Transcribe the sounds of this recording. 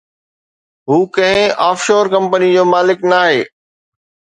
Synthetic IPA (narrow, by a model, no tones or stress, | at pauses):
ɦuːkɐ̃ɦɪ̃aːfʃoːɾkɐ̃mpənid͡ʑoːmaːlɪknaːɦeː